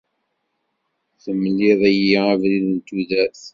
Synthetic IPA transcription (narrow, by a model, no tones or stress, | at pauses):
θəmːlːiðˤæjiavliðənt̪ːuðæθ